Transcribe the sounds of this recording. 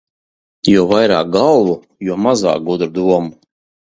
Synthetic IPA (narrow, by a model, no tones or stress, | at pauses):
jɔɔvajɾa̰ːk̚ɡalˠvu | juɔmaza̰ːk̚ɡud̪ɾud̪uɔmu